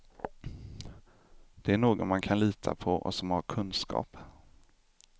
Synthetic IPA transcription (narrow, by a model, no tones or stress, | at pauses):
d̪̥ɛæɳoːɡɔnmankʰanliːt̪ʰa̰pʰɔɔ̰sɔmhaɾkʰɵnskɑ̰ːp